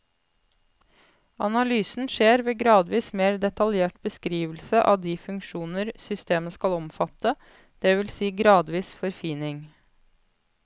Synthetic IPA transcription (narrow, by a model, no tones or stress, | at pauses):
ɑnɑlyːsn̩ʃeːɾʋeːɡɾɑːd̪ʋiːsmeːɾd̪ɛt̪ɑljeːʈbəskɾiːʋəl̩səʔɑ̰ːʋd̪iːfʉŋkʃuːnəɾsʏst̪eːməskɑlɔmfɑt̪ə | d̪̥ɛːʋɪlsiːɡɾɑːd̪ʋiːsfɔɾfiːnɪŋ